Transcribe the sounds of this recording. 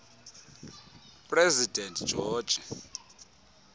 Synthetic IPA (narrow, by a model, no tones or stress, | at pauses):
pʼrɛzidʱɛntʼd͡ʒ̥ʱɔːd̥ʒ̥ʱi